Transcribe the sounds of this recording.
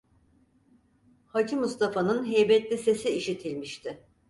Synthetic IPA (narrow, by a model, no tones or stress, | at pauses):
hat͡ʃʰimust̪ʰafanɯnɦɛjbɛt̪lʲise̞siiʃit̪ʰilʲmiʃt̪ʰɪ